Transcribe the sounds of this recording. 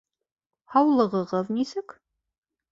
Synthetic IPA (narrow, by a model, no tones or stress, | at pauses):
hɑwlˠɤ̆ʁɤ̆ʁɤðnisɘk